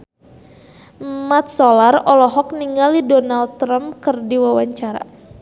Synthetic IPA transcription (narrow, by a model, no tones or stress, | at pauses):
mat̪̚sɔlarɔlɔɦɔk̚niŋɡalidɔnald̪̚t̪ɾamp̚kərdiwawaɲt͡ʃaɾa̰